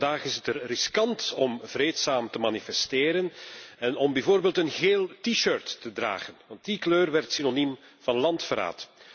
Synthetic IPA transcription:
daːχɪsətərrɪskɑntɔmvreːtsaːmtəmaːnifɛsteːɾənɛnɔmbɛvoːrbeːlˠtənɣeːlˠtiʃøɹtːədra̰ːɣənʋɑntikløːrʋɛrtsinonim | vɑnlɑntfəɾa̰ːt

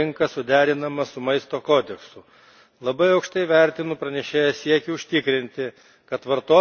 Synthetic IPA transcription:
ɪŋkɐsʊd̪ʲæːɾʲɪnɐmɐsʊmɐɪst̪oːkoːd̪ʲɛksʊ | lˠɐbɐɪɐʊkʃt̪ɐɪʋʲæˑɾʲt̪ʲɪnʊpɾɐnʲɛʃʲeːjɛsʲiɛkʲɪʊʃʲt̪ʲɪkɾʲɪnʲt̪ʲɪ | kɐt̪ʋɐɾt̪oː

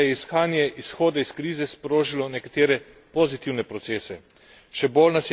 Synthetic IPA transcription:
jɛisxaːnjɛʔisxoːd̪aiskɾiːzɛspɾoːʒilɔnɛkat̪eːɾɛ | pozit̪iwnɛpɾɔt̪seːsɛ | ʃɛbolnas

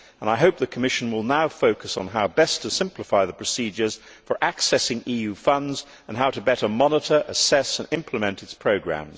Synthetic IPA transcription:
ə̃naɪɦoʊp̚ðɨkʰəmɪʃn̩wɪlˠnaʊfoʊkəsn̩ɦaʊbɛstʰɨsɪ̃mpləfaɪðəpʰɹ̥ɨsid͡ʒə˞z̥ | fə˞ʔæksɛsɪ̃ŋijʉfʌ̃ndz | ə̃nɦaʊɾɨbɛɾə˞mɑnəɾə˞ʔəsɛsə̃nɪ̃mpʰləmɛ̃ntɨtspʰɹ̥oʊɡɹæ̰̃mz̥

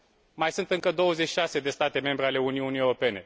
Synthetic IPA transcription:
majsunt̪ɨŋkəd̪o̞wəzet͡ʃi̥ʃase̞d̪e̞st̪at̪e̞me̞mbɾeale̞uniunijewɾope̞ne̞

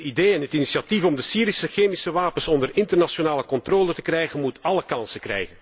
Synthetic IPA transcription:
ideːɛnɦətiniʃiatifɔmdəsiːɾisəxeːmisəʋaːpənsɔndərɪntərnasonaːləkɔnt̪roːlətə̥krɛjɣənmutɑləkɑnsəkrɛ̰jɣən

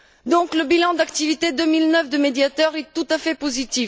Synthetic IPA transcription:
d̪ɔ̃kləbilɑ̃d̪akt̪ivit̪ed̪ømilnœfd̪əmed̪jat̪œʁɛt̪ut̪afɛpozit̪i

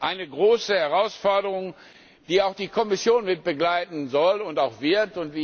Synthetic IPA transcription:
ʔaɪnəɡʁoːsəhɛʁaʊsfɔɐdəʁ̞ʊŋ | d̥iːaʊxd̥iːkʰɔmɪsjoːnmɪt̚b̥əɡlaɪtn̩zɔlʊntaʊxv̥ɪɐtʊntv̥iː

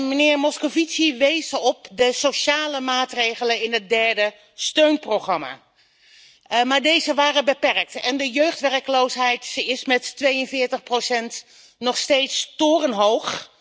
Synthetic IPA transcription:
mənɪːɹmɔskovitsiʋejzəɔp̚dəsowʃaːləmaːtrejχələnɪnɦət̚dɛɹdə | støɥnprowχrɑma̰ː | maːɹdejzəʋaːrəbəpɛrk̚tɛndəjøɥχtʋɛrəkəlowsɦɛjtsɪsmɛtːʋejənvɪːɹtəχprowsɛnt | nɔχstejtstʊːrənɦowχ

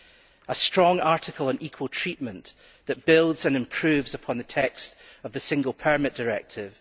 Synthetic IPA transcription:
əstɹ̥ɔ̃ŋaɹʔɪkʰəlˠə̃nikʰwəlˠtʰɹ̥iʔmə̃nʔ | ðəʔb̥ɪlˠdz̥ə̃nɪ̃mpʰɹ̥ʉvzəpʰɔ̃nðətʰɛkstəvðəsɪ̃ŋɡəlˠpʰə˞mɪʔd̥ə˞ɛ̰k̚tʰɪv̥

